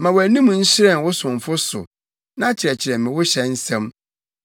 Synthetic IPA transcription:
mã˨wæ˨nĩ˦m̃˨n̩˦ɕɪ˦ɾɛ˦˨n˨wʊ˦sʊ̃˨ɱ˨fʊ˦sʊ̰˨ | nã˦t͡ɕʰɪ˨ɾɛ˨t͡ɕʰɪ˨ɾɛ˨mɪ̃˨wʊ˦ɕɛ˦n̩˦sɛ̃˦m

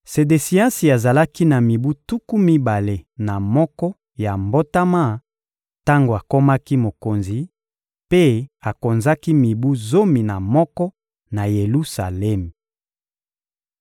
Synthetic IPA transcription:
se˨de˨si˨ã˦si˨a˨za˨la˦ki˦na˨mi˨bu˦tu˦ku˦mi˦ba˨le˨na˨mɔ˦kɔ˦ | ja˨mbo˦ta˦ma˦˨ | ta˦ŋɡo˨a˨ko˦ma˦ki˦mo˨ko˨nzi˨ | pe˦a˨ko˨nza˦ki˦mi˨bu˦zo˦mi˨na˨mɔ˦kɔ˦ | na˨je˨lu˦sa̰˨lɛ˦m˨

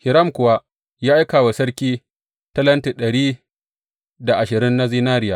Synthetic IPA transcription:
hɪ˨ɾɐ˦˨mkʷʊ˨wa˦ | jaː˦ʔa˦jkaː˨wa˨sɐ˦ɽkʲiː˦ | ta˦lɐ˦nti˨ɗɐ˨ɽiː˦ | da˨ʔa˨ʃɪ˨ɾɪ˦nːa˦ziː˦naː˦ɾɪ˦jaː˨

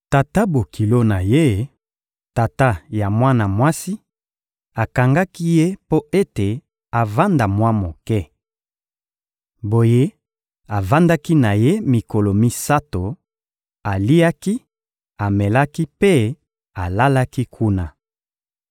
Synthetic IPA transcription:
ta˨ta˦bo˨kʰi˨lo˦na˨je˦ | ta˨ta˦ja˨mwa˦na˨mwa˦si˦ | a˨ka˨ŋɡa˦ki˦je˦po˦e˦te˨ | a˨va˦nda˨mwa˦mo˨kɛ˦ | bo˨je˦ | a˨va˦nda˦ki˦na˨je˦mi˨ko˨lo˨mi˦sa˦to˨ | a˨li˦a˦ki˦ | a˨mɛ˨la˦ki˦pe˦ | a˨la˦la˦ki˦kʰu˦na˨

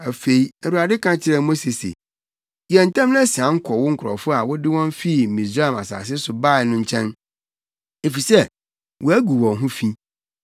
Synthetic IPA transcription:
æ˨fe˨i˦æ˨wu˨ɾa˨dɪ˦kʰã˦t͡ɕʰɪ˦ɾɛ˨mo˦se˨sḛ˨ | jɛ˨n̩˨tʰã˦m˦n˦ɛ˦sɪ˨ã˨ŋ̩˦kʰɔ˨wʊ˦ŋ̩˦kʰʊ˨ɾɔ̰˨fʊ˦a˨wʊ˦dɪ˦wɔ̃˦m˦fi˦˨m̩˨mĩ˨sɾa˦a˨ma˨sa̰ː˨sɪ˦sʊ˨ba˦˨nʊ̃˦ɲ̩˦t͡ɕʰɛ̃˦n | e˨fi˨sɛ˦ | wɔ˨æ˦ɡu˨wɔ̃˨ɦʊ̃˦fĩ˦

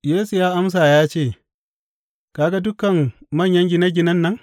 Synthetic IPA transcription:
jeː˦su˨jaː˦ʔa˦ms̬aː˨jaː˦t͡ʃeː˦˨ | ka˨ɡa˦dʊ˦kɐ˨mmɐ˦˨ɲjɐ˦ŋɡʲɪ˦nɐ˦ɡʲɪ˦nɐ˦nːɐ˦ŋ

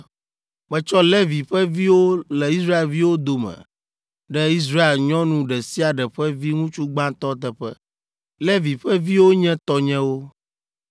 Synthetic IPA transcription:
mɛ̃˨t͡ʃɔ˦lɛ˦vi˨ɸɛ˦vi˦wo˦lɛ˨i˦sɾa˦e˨lvi˦wo˦d̪o˨mɛ̰̃˨ | ɖɛ˦i˦s̬ɾa˦e˨lɲɔ̃˦nũ˨ɖɛ˨si˦a˨ɖɛ˨ɸɛ˦vi˦ŋũ˦t͡ʃu˦ɡ͡bã˦t̪ɔ˦t̪ɛ˨ɸɛ̰˦ | lɛ˦vi˨ɸɛ˦vi˦wo˦ɲɛ̃˦t̪ɔ˦ɲɛ̃˦wo˦

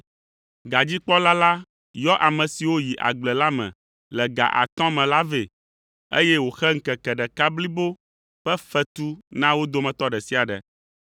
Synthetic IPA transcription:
ɡa˨d͡ʑi˦k͡pɔ˦la˦la˦ | jɔ˦ʔa˨mɛ̃˨si˨wo˦ji˨ʔa̰˨ɡ͡blɛ˨la˦mɛ̰̃˨ | lɛ˨ɡa̰˨ʔa̰˨t̪ɔ̃˦mɛ̃˨la˦ve˨ | ḛ˦jɛ˦wo˨xɛ˦ŋ̩˦kɛ˨kɛ˨ɖɛ˨ka˦bli˦bo˦ | ɸɛ˦fɛ˦t̪u˦nã˦wo˦d̪o˦mɛ̃˨t̪ɔ˦ɖɛ˨si˦a˨ɖɛ̰˨

